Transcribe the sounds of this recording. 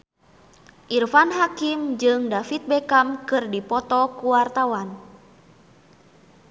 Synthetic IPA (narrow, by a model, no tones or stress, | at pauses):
ʔirfanɦakimd͡ʒɨŋdafit̪̚bɛkamkɨrdipɔt̪ɔkuwart̪awan